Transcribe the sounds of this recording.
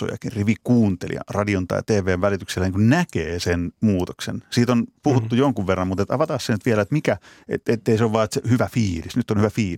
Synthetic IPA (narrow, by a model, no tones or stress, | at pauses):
o̰jɑ̰kinriʋikuːnt̪ḛlḭɑ̰rɑdiont̪ɑ̰it̪eːʋˑeːʋʋælit̪ykselːæniːŋkunnækeːsenmuːt̪oksḛnsiːt̪onpuhut̪ːujoŋkuʋʋerːɑmut̪et̪ɑʋɑt̪ɑːssenyt̪ʋielæet̪mikæḛt̪et̪ːeiseoʋʋɑːet̪sehyʋæfiːlisnyt̪ːonhyʋæfiːl